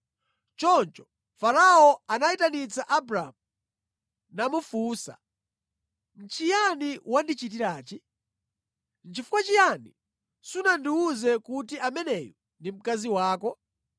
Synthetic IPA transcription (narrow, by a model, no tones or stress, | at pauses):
t͡ʃɔnt͡ʃɔ̥ | faɾaɔanaitanit͡saʔabɾamu | namufuːsa̰ | n̩t͡ʃʰijaniwandit͡ʃitiɾaːt͡ʃi | n̩t͡ʃifu̥kwat͡ʃijani | sunandiuzɛkutiʔamɛnɛjɔ | ndim̩kaziwaːkɔ